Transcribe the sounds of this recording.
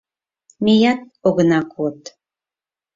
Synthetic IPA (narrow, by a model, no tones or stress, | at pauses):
mejɑt̪̚oɣənɑkʰot̪